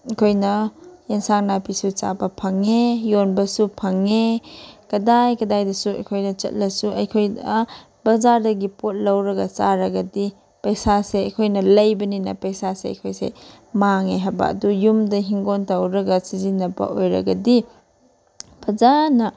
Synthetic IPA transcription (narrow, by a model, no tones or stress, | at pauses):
ɐkʰojnɐjensaŋnapisut͡ʃa̰bɐpʰɐŋejonbɐsupʰɐŋekɐdajkɐdajdɐsuɐ̰jkʰojnɐt͡ʃɐ̰t̚lɐsuɐ̰jkʰoj | bɐzaɾdɐɡipot̚lɐwɾɐɡɐt͡ʃaɾɐɡɐdi | pɐjsaseɐjkʰojnɐlɐjbɐninɐ̰pɐjsaseɐ̰jkʰojsḛ | maŋeɦaba̰ɐ̰dujumdɐɦiŋɡontɐwɾɐɡɐsizinːɐbɐ̰ʔojɾɐ̰ɡɐdi | b̥ɐzanɐ